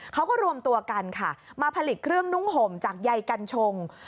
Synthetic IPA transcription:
kʰa˦˥wkɔː˥˩ɾu˧əmt̪u˧ɐka˧nkʰa˥˩maː˧pʰa˧li˨˩kʰɾɯ˥˩əŋnu˦˥ŋɦo˩˦mt͡ɕaː˨˩k̚ja˧jka˧nt͡ɕʰo˧ŋ

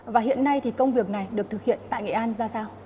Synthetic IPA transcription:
vaː˨˩ɦḭ˧˨ənːa˧jt̪ʰi˨˩kə˧wŋ͡mvi˨˩ək̚na˨˩jɗɨ˨˩ək̚t̪ɨ˨˩k̚hḭ˧˨ənt̪a̰ː˧˨jŋə̰˧˩ʔaː˧nzaː˧saː˧w

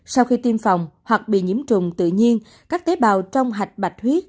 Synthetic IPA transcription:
sa˧wxi˧t̪i˧mfa˨˩wŋ͡mhwa˨˩k̚ɓḭ˧˨ɲi˧˥əmt͡ɕʊ̰˧˨ŋ͡mt̪ɨ̰˧˨ɲi˧ən | kaː˦˥k̚t̪e˨˦ɓaː˨wt͡ɕɔ˧wŋ͡mɦa˨˩jk̟̚ɓa˨˩jt̚hwi˦˥ət̚

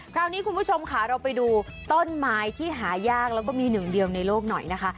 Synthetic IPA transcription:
kʰɾaː˦˥˩wniː˦˥kʰu˧npʰuː˥˩t͡ɕʰo˧mkʰa˦˩ɾa˧wpa˧jduː˧t̪o˥˩nmaː˩˦˥jt̪ʰiː˥˩ɦaː˩˦jaː˥˩k̚lɛː˦˥wkɔː˥˩miː˧nɯ˨˩ŋdi˧əwna˧jloː˥˩k̚nɔ˨˩jna˦˥kʰa˦˥

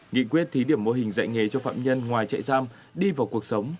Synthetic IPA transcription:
ŋḭ˧˨kwi˦˥ət̚t̪ʰi˨˦ɗi˧˩əmo˧ɦï˨˩ŋ̟za̰˧˨jŋe˨˦t͡ɕɔ˧fa̰ː˧˨mɲə˧nŋwaː˨˩jt͡ɕa̰˧˨jsaː˧m | ɗi˧vaː˨˩wku˨˩ək̚sə˨˦wŋ͡m

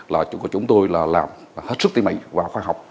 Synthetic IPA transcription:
laː˨˩kɔ˨˩˦t͡ɕʊ˨˦ŋ͡mt̪o˧jlaː˨˩laː˨˩m | he˦˥t̚sɨ˦˥k̚t̪i˧ma̰˧˨jvaː˨˩wxwaː˧ɦa˨˩wk͡p̚

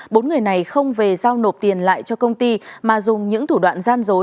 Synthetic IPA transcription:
ɓo˨˦nŋɨ˨˩əjna˨˩jxə˧wŋ͡mve˨˩zaː˧wno˨˩p̚t̪i˨˩ənla̰ː˧˨jt͡ɕɔ˧kə˧wŋ͡mt̪i˧maː˨˩zʊ˨˩ŋ͡mɲɨ̰˧˥ŋt̪ʰu˧˩ɗwa̰ː˧˨nzaː˧nzo˨˦

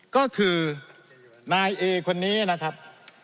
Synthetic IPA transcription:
kɔː˥˩kʰɯː˧ | naː˧jʔeː˧kʰo˧nːiː˦˥na˦˥kʰɾa˦˥p̚

